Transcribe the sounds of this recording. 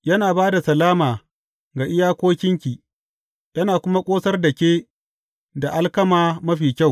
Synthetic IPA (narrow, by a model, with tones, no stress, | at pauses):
jɐ˦naː˨baː˦da˨sɐ˨laː˦maː˨ | ɡa˨ʔɪ˦jaː˦kʷoː˦kʲɪ˦ŋkʲiː˨ | jɐ˦naː˨kʷʊ˦ma˦kʷʼoː˦sɐ˦rdɐ˨kʲeː˦ | da˨ʔa˦lkɐ˦maː˦mɐ˦ɸiː˨kʲa˦˨w